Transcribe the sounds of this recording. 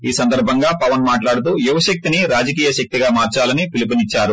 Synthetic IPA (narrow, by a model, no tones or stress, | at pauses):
iːsɐnd̪ɐɾbʱɐŋɡaːpɐʋɐnmaːʈlaːɽut̪uːjuʋɐʃɐk̚t̪iniɾaːd͡ʒɐk̬iːjɐʃɐk̚t̪iɡaːmaːɾt͡ʃaːlɐnipilipinit͡ʃːaːɾu